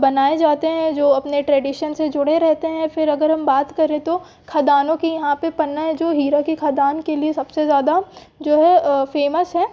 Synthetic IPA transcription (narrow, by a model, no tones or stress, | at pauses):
bɐnaːed͡ʒaːt̪eɦɛ̃d͡ʒoːɐpneʈɾɛːɖiʃənsed͡ʒʊɽeɾɛɦt̪eɦɛ̃fɪɾɐɡəɾɦɐ̃mbaːt̪kɐɾẽt̪o | kʰaːd̪aːnõkijɐɦãpepɐnːaɦɛd͡ʒoːɦiːɾakikʰaːd̪aːnkeliesɐbsezjaːd̪a | d͡ʒoːɦɛfeːməsɦɛː